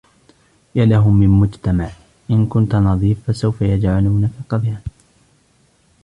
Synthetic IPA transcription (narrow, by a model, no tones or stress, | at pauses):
jalaɦʊmːɪnmʊd͡ʒt̪amaʕ | ʔɪnkʊnt̪anɑðˤiːfːasawfajad͡ʒʕaluːnafɑqɑd̪ˤjan